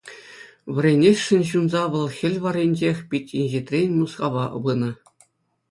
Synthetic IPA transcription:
ʋʲɘ̆rʲenʲesʲʂɘ̆nʲɕunzɑʋɤ̆lˠxʲɘ̆lʲʋɑrʲenʲd͡ʑexʲpʲitʲinʲʑet̪ʲrʲenʲmuskɑʋɑʋɯnɤ̆

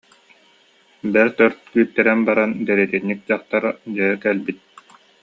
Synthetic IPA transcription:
bɛɾt̪œɾt̪̚kyːt̪ːɛɾɛnbaɾand̪ɛɾɛt̪inːik̚d͡ʑaχt̪aɾd͡ʑɛkɛlbit̪̚

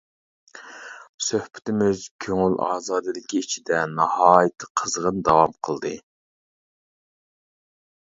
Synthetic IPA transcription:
søhpʰɪ̥t̪ɪmyzkʲʰøŋylɑ̰ːzɑːd̪ɨd̪ɪkʲiːt͡ʃʰid̪ɛnɑhɑːjɨt̪ʰɨ̥qʰəzʁənd̪ɑwɑmqʰəlˠd̪ɨ

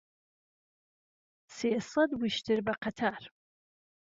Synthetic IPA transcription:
seːsɐd̪wiʃtʰɨɾbɐqʰɐt̪ʰaːɾ

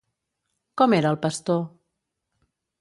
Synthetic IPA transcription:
kɔmeɾəːlˠpəst̪o

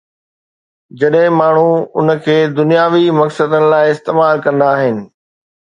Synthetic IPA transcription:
d͡ʑɐɗɦɪ̃maːɳ̤uʊnəkʰeːd̪ʊnijaːʋimɐksəd̪ənɪ̆laːɪɪst̪eːmaːlkɐ̃nd̪aːɦɪnɪ̆

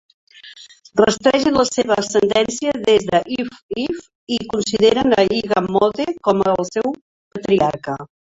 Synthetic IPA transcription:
rəst̪ɾɛʒənləseβəsənd̪ɛnsiəðezðəʔifif | ikunsiðeɾənəiɣəmot̪ekɔməːlˠsɛw | pət̪ɾiaɾkə

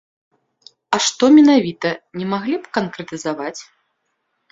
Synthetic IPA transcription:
ɐʂt̪ɔmʲɛnavʲit̪ɐnʲɛmaɣlʲipkɐnkɾɛt̪ɨzavat͡sʲ

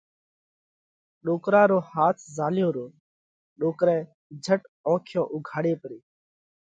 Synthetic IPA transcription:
ɗoːkɾãːɾoːhaːt̪ʰzaːljoːɾoː | ɗoːkɾɛ̃ː | d͡ʒʱəʈɔ̃ːkʰjõːʔʊɡʱaːɽeːpəɾeː

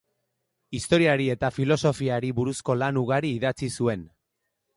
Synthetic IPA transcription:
ist̪o̞ɾiaɾie̞t̪afilo̞so̞fiaɾiβuɾusko̞lanuɣaɾiːðat͡sisue̞n

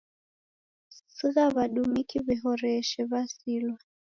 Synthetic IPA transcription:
siɣaβaɗumikiβiɦɔɾɛʃɛβasilwa

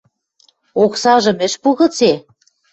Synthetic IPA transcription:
oksɑʒɤ̆mɘ̆ʃpuɣɤ̆t͡se

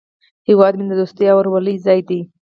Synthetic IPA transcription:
hɪwɑd̪mind̪əd̪ost̪jɑwəɾwalizɑjd̪i

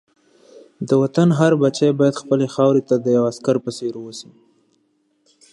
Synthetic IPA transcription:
d̪əwat̪anɦaɾbat͡ʃajbɑjad̪xpəlexɑwɾet̪ad̪əjawaskaɾpəseɾowəsi

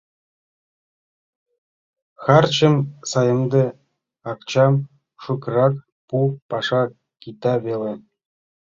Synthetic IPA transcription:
xɑrt͡ɕə̆msɑjɤmd̪ĕ | ɑkt͡ɕɑm | ʂukrɑk | pupɑʂɑ | kit̪ɑβele

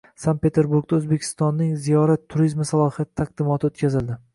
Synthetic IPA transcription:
sant̪pe̞t̪ʰeɾbuɾɡd̪aɵzbekʲʰɪ̥st̪ɒnːɪŋzijɒɾat̪ʰːʊɾizmɪsalˠɒhijat̪ɪ̥t̪ʰaq̚d̪ɪmɒt̪ʰɪot̪kʲazɪld̪ɪ

